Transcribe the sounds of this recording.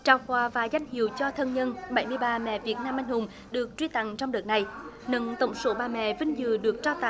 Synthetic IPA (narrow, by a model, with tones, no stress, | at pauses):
t͡ɕaː˧˩wkwaː˧˩vaː˨˩za˧jŋ̟hḭ˧˨əwt͡ɕɔ˧t̪ʰə˧nɲə˧nɓə˨˩jmɨ˧əjɓaː˧mɛ̰˧˨vi˨˩ət̚naː˧mʔa˧jŋ̟hʊ˨˩ŋ͡m | ɗɨ˨˩ək̚t͡ɕwi˧t̪a˧˨ŋt͡ɕɔ˧wŋ͡mɗəː˨˩t̚na˨˩jnə˧˦nt̪ə˧˩wŋ͡mso˨˦ɓaː˨˩mɛ̰˧˨vï˧ŋ̟zɨ̰˨˧˨ɗɨ˨˩ək̚t͡ɕaː˧wt̪a̰ː˧˨